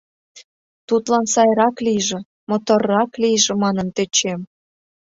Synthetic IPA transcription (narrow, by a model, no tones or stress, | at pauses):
t̪ut̪lɑnsɑjɾɑkliʒĕ | mot̪orːɑklijʒĕmɑnə̆nt̪et͡ɕem